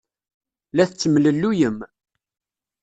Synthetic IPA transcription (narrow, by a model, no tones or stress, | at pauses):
læθt͡sːəmləlːujəm